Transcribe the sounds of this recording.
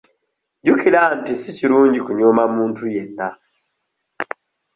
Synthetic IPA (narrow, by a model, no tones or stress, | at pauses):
ɟukilantisiciɾuːɲɟikuɲoːmamuːntuje̞nːa